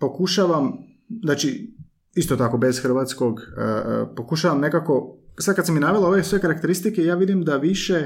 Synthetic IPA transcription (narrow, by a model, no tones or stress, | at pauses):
po̞kuʃaʋam | znaːt͡ʃi | ist̪ot̪ako̞be̞z̥xr̩ʋaːt̪sko̞ɡəpo̞kuʃaʋamne̞kako̞sad̪kad̪saminaʋelaoʋesʋe̞kaɾakt̪eɾist̪ike̞jaːʋid̪imd̪aʋiʃe̞